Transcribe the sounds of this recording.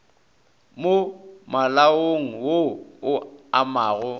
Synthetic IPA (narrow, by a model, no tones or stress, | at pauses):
momalaoŋ̩woʊamaːɣʊ